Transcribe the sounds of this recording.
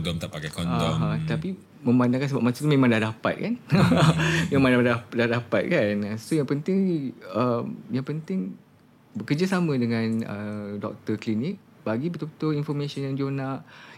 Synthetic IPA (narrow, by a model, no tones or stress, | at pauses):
dɔmt̪apakakɔnɔɦãt̪api | mə̃mbandãŋkansəbap̚mãsut̪umẽmãŋdahdapa̰t̪̚kan | jaŋmandadadadapat̪̚kanasojaŋpənt̪ɪŋəmjaŋpənt̪ɪŋ | bəkərd͡ʒasamə̃dəŋãnə̰dɔ̰k̚t̪əklinɪk̚ | baɡibət̪ubət̪uinfɔmãsɔnjaŋd͡ʒonaʔ